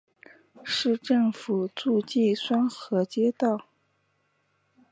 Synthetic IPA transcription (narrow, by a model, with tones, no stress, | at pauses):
ʂɻ̩˥˧ʈ͡ʂɤ˥˩ŋfu˨˩t͡su˥˧t͡ɕi˥˩swa˥nxɤ˧˥t͡ɕjɛ˥t̪ɑ˥˩ʊ